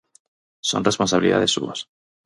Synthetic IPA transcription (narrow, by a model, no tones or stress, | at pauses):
so̞̰nresponsaβiliða̰ðe̞sṵβas